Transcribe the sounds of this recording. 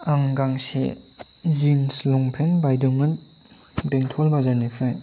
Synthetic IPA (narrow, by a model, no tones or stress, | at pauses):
aŋɡaŋsḛzinslɔŋpʰɛnbajdɔŋɯn | deŋtʰɔlbazanifʰaj